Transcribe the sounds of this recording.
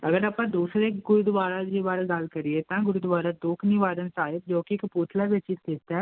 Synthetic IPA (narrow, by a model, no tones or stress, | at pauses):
əɡəɾəpãːd̪uːsɾeːɡʊɾud̪ʋaːɾad͡ʒiʋaːɾaɡaːlkəɾɪet̪ãːɡʊɾud̪ʋaːɾad̪oːkʰniʋaːɾənsaːɦɪb̪̚d͡ʒõːkikpuːt̪ʰlaʋet͡ʃɪsd̪eːt̪aɛ